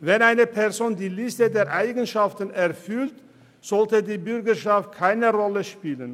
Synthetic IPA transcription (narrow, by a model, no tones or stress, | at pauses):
vɛnaɪnəpʰɛɐzoːndiːlɪstədeːɐʔaɪɡən̩ʃaftn̩ɛɐfʏlt | z̥ɔltədiːbʏʁɡɐʃaft̚kʰaɪnəʁɔləʃpiːlən